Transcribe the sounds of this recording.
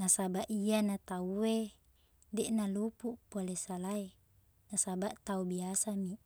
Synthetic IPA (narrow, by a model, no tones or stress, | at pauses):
nasabaʔianat̪aue | dɛʔnalupuʔpuolesalae | nasabaʔt̪aubiasami